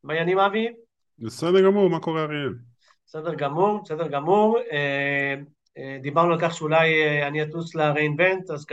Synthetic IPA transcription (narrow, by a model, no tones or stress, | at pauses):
majanimavi | besedeʁɡamuʁmakoʁeaʁiem | besed̪eʁɡamuʁbesed̪eʁɡamuʁe | d̪ibaʁnualkaχʃeulajaniat̪uslaʁeinvent̪az